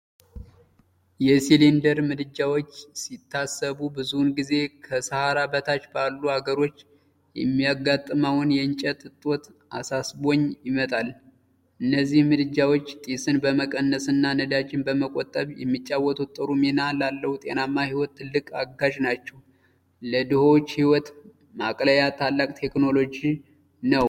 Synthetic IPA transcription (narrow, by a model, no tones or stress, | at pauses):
jɛsilind̪əɾmɨd̪ɨd͡ʒːawo̞t͡ʃːsit̪ʰːasːəβubɨzunɡize̞kʰəsəhaɾabət̪ʰat͡ʃːbalːuhaɡəɾo̞t͡ʃː | jɛmːijaɡat̪ʼːɨmawʊnjɛɨnt͡ʃʼət̪ʼɨt̪ʼːo̞t̪ | ʔasasbo̞ɲːjɪmət̪ʼal | ʔɨnːəzːihmɨd̪ɨd͡ʒːawo̞t͡ʃːt̪ʼisɨnbəməkʼənːəsɨnːanəd̪at͡ʃːɪnbəməkʼot̪ʼːəβjɛ̰mːit͡ʃʼːawɔt̪ʰut̪ʼːəɾumenalalːəhut̪ʼe̞̰namːahiwɔt̪ʰːɨlːɨkʼaɡaʒnat͡ʃːɛw | ləd̪ɨhowt͡ʃːhiwɔt̪ | makʼləjat̪ʰalːakʼt̪ʰe̞kno̞lo̞d͡ʒi | nəw